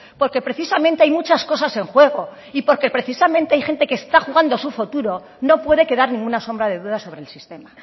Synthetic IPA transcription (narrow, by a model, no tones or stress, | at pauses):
po̞ɾke̞pɾe̞θisamẽnt̪eajmut͡ʃasko̞sase̞ŋxwe̞ɣ̞o̞ | ipo̞ɾke̞pɾe̞θisamẽ̞nt̪eajxe̞nt̪e̞keːst̪axuɣ̞and̪osufut̪uɾo̞ | no̞pwe̞ð̞eke̞ðaɾnĩŋɡunaso̞mbɾað̞e̞ðuð̞aso̞βɾe̞lsist̪e̞ma